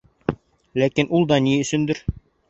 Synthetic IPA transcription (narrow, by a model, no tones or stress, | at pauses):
lækinʔulˠd̪ɑniɵ̆sɵ̆nd̪ɘɾ